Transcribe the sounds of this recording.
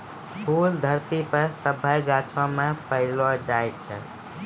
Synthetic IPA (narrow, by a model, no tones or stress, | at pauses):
pʰuld̪ʱəɾt̪ipəsəbʱəjɡat͡ʃʰɔ̃mepəɪlɔd͡ʒajt̪t͡ʃʰə